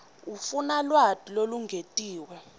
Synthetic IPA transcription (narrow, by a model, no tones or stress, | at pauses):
ufunalwad̥ʱiloluŋʱetʼiːwɛ